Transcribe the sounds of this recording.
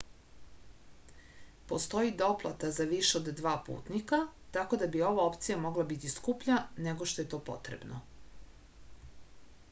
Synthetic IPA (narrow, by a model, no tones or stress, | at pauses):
po̞st̪o̞jid̪o̞plˠa̰t̪azaʋiʃeod̪ːʋaːpṵːt̪nikat̪ako̞d̪abio̞ʋao̞pt̪sijamo̞ɡlabit̪iskupʎane̞ɡo̞ʃt̪o̞je̞t̪o̞ːpo̞̰t̪ɾḛbno